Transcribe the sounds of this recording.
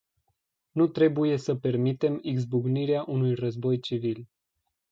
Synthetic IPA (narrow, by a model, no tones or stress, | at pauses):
nut̪ɾe̞buje̞səpe̞rmit̪e̞miɡzbuɡniɾeaʔunujrəzbo̞jt͡ʃivil